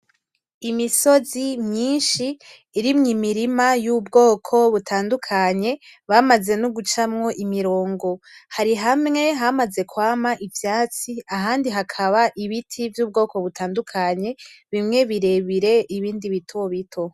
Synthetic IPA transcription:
imiso̞zimɲiːnʃiː | ɾimɲimiɾimajuːbɡo̞ːkʰo̞βutʰaːndukʰaɲe̞βamaze̞nuɡut͡ʃamŋo̞ʔimiɾo̞ːŋɡo̞haɾiɦamŋe̞ɦamaze̞kwaːmaʔivjaːt͡siaɦaːndiɦakʰaβaʔiβitʰivjuːb̚ɡo̞ːko̞βutaːndukʰaɲe̞βimŋe̞βiɾe̞βiɾe̞ʔiβiːndiβitʰoβitʰo̞

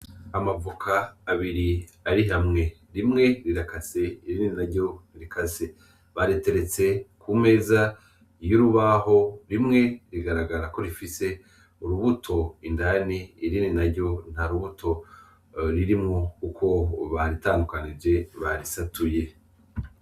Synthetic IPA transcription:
amavukʰaːβiɾiaɾiɦamŋe̞ɾimŋe̞ɾiɾakase̞iɾininaɾɟo̞niɾikase | βaɾete̞ɾe̞t͡se̞kume̞ːza | juɾuβaho̞ɾimŋe̞ɾiɡaɾaɡaɾako̞ɾifise̞ | uɾuβutʰo̞indaniːɾininaɾɟo̞n̥haɾuβutʰo̞ | ɾiɾimŋokukʰo̞βaɾitaːndukanid͡ʒe̞βaɾisatuje̞

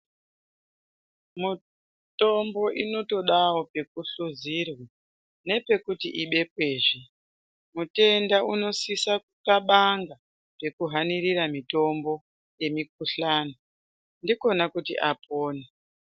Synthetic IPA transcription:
mu | to̞mbo̞ʔino̞to̞ɗawo̞pe̞kuɬuzirwa | ne̞pe̞kutiʔiɓe̞kwe̞ːʐi | mute̞ndauno̞sisak̚ukaɓaŋɡa | pe̞kuɦaniriɾamito̞mbo̞ | je̞mik̚uɬaːno | ndiko̞nakutḭʔapʰoːne

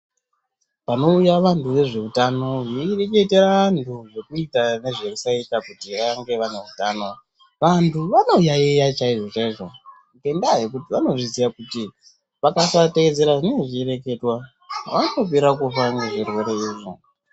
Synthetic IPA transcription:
pano̞ujaʋantʰuʋe̞ʐe̞utano̞ʐire̞ke̞te̞ɾantʰuʐe̞kuitane̞ʐekusaitakutiʋaŋɡe̞ʋane̞utano̞ | ʋantʰuʋano̞jaijat͡ʃaiʐo̞t͡ʃaiʐo̞ | uke̞ndaɦekutiʋano̞ʐizijakuti | ʋakasateed͡ze̞ɾaʐine̞ŋɡeʐiːɾe̞ke̞twa | ʋatop̬eɾakufaŋɡeʐerwe̞ɾe̞iːʐo̰

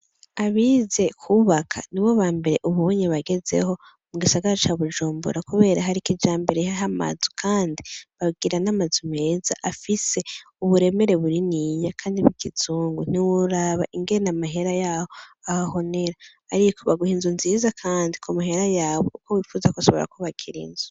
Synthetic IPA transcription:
aβiːze̞kʰuβakʰa̰niβwo̞βaːmbe̞ɾe̞ʔuβuβoɲiβaɡe̞ze̞̰ho̞ | muɡisaɡaɾat͡ʃaβud͡ʒuːmbṵɾakuβe̞ːɾaɦaɾikid͡ʒaːmbe̞ɾehaɦama̰zu̥kʰaːndiβaɡiɾanamazume̞ːza̰ʔafise̞ | uβuɾe̞me̞ɾe̞βuɾinijakʰaːndiβiɡiz̥uːŋɡun̥iwuɾaβaʔiŋɡeɾenamaɦe̞ɾajaːho̞ahaho̞ne̞ɾaː | ɾikʰo̞βaɡuhiːnzunzizakʰaːndikʰumaɦe̞ɾajaːβo̞ʔukowifuzakuasoβoɾa̰koβakʰiɾḭːnzu

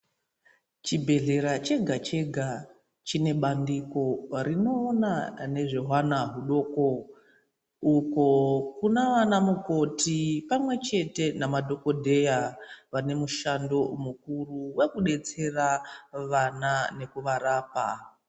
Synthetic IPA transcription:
t͡ʃibʱe̞ɮe̞ɾat͡ʃe̞ɡʱat͡ʃe̞ɡʱa | t͡ʃine̞ɓandiko̞rino̞ːnane̞ʐe̞ɦwanaɦuɗo̞ko | uko̞kunaʋanamuko̞tipamwe̞t͡ʃe̞te̞namadʱo̞ko̞dʱe̞jaʋane̞muʃando̞mukuruwe̞kuɗe̞t͡se̞raʋanane̞kuʋaɾaːpa

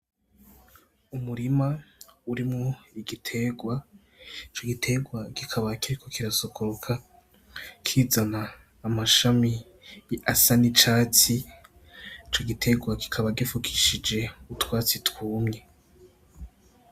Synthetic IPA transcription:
umuɾimauɾimŋoiɡitʰe̞ɡwa | it͡ʃoɡitʰe̞ɡwaɡ̥ikʰaβakiɾikokiɾasokʰoɾokʰa | kʰiːzanaː | maʃami | jiasanit͡ʃaːt͡si | it͡ʃo̞ɡitʰe̞ɡwaki̥kʰaβaɡifukʰiʃid͡ʒe̞utwaːt͡sitwuːmɲe

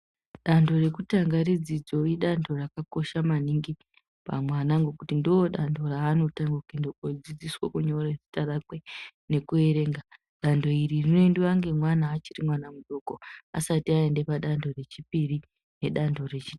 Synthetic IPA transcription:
ɗando̞re̞kutaŋɡaɾid͡zid͡zo̞iɗandʰo̞rakako̞ʃamaniŋɡi | pa̰mwanaŋɡo̞kutindowoɗando̞raːno̞taŋɡokindood͡zid͡ziswokuɲo̞ɾezi̥tarakwene̞kue̞ɾe̞ːŋɡa | ɗando̞iririnoendiwaŋɡe̞mwanaːt͡ʃirimwanamuɗo̞koa̰satiae̞nde̞paɗandʱo̞re̞t͡ʃipiri | ne̞ɗando̞re̞t͡ʃi̥

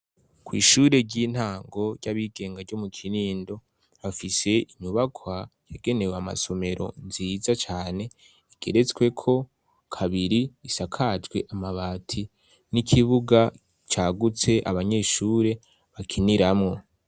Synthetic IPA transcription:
kwḭːʃuɾe̞ɾɟiːn̥haːŋɡo̞ɾɟaβiːɡ̥e̞ːŋɡaɾɟo̞mukʰiɾiːndo̞ | βafise̞iɲuβakʰwajaɡe̞ne̞weama̰so̞me̞ɾʔo̞̰nziːzat͡ʃaːne̞ | iɡ̥e̞̰ɾe̞t͡sɡwe̞kʰo̞ | kʰaβiɾiːsakʰad͡ʒɡwe̞ʔamaβaːtʰi | nikʰiβuɡa | t͡ʃaːɡut͡se̞ʔa̰βaɲe̞ːʃuːɾe̞ | βakʰiniɾamŋo̞

